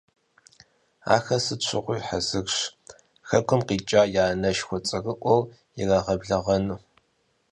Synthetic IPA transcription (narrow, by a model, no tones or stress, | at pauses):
a̰ːxɐsɨt͡ʃʷʰɪʁʷʊjħazɨɣɕ | xɐkʷʰʊmqiːt͡ʃʼaːjaːnɐʃxʷɔt͡sʼɐɣɨʔʷɔw | ɪraːʁɐbɮɐʁɐnuː